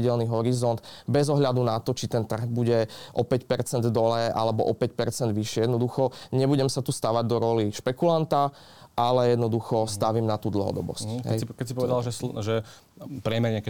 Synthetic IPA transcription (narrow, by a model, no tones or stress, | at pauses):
iɟɛlniɦɔɾizɔnd̪bɛzɔɦʎad̪unat̪ɔt͡ʃit̪ɛnt̪r̩ɣbuɟɛʔɔpɛcpɛɾt͡sɛnd̪d̪ɔlɛːʔa̰lɛbɔ̰ʔɔpɛcpɛɾt͡sɛnd̪ʋiʃɪɛjɛd̪nɔd̪uxɔɲɛbuɟɛmsat̪uːst̪aʋaɟd̪ɔɾɔliʃpɛkulant̪a | ʔalɛjɛd̪nɔd̪uxɔst̪aʋiːmnat̪uːd̪l̩ɦɔ̰d̪ɔ̰bɔ̰scɦɛɛ̰kɛcsipɔʋɛd̪alʒɛsʒɛ | pɾɪɛmɛɾɲɪak